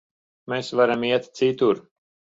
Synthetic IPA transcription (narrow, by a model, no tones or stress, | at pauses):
mesvaɾamiɛt̪t̪sit̪uɾ